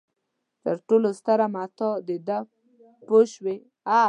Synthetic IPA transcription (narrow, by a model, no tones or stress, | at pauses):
t̪əɾʈolost̪aɾamat̪ɔd̪ed̪a | poʃwe | a